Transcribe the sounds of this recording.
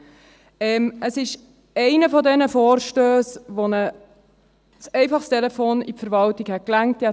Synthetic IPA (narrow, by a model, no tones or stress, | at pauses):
ɛːmʔəsɪʃ | ɛɪnəfɔdɛnəfoːɾʃtøːsʋonə | sɛɪfɑχst̪ɛlɛfoːnḭpfəɾʋɑltiɡhɛt̚klæŋtjɛ